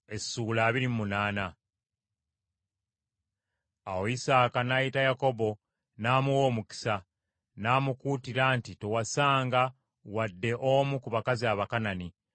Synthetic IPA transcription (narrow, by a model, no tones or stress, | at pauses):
e̞suːlaːβiɾimmunaːna | awo̞isaːkanajitajako̞bo̞ | naːmuwo̞ːmuki̥sa | naːmukuːtiɾantite̞wasaːŋɡa | wadːe̞ʔomukuβakaziaβakanani